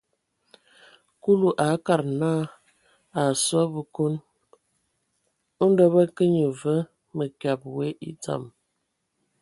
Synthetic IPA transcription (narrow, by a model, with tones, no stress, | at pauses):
ku˦lu˨ʔa˨˦ka˦˨ɾna˦ | a˨swa˦bə˨ko˦n | ə˦n˦də˦bə˦kə˦ɲə˨və˦ | mə˨kja˨p̚we˦ʔḭ˦t͡sa̰˨m